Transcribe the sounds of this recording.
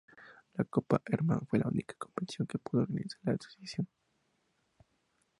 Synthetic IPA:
lakopa̰ʔeɾma̰nfwelʔaunikḁkompet̪sjoŋkepuðoɾɣanisaɾlaeso̥sjasjoŋ

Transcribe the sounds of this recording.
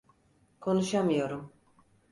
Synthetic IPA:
kʰo̞nuʃamɯjo̞ɾum

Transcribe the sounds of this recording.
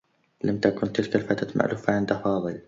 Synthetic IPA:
lamt̪akʊnt̪ɪlkalfaːt̪at̪mʔa̰ʕlʊfːaʕɪnd̪afɑːðˤɨl

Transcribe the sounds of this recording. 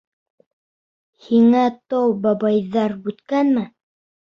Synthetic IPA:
hiŋæt̪ɑwbɑbɑjðɑɾbʉt̪kænmɘ

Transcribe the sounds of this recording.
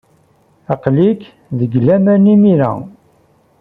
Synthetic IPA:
ɑqlik | ðəɡlæmænimiɾæ̰

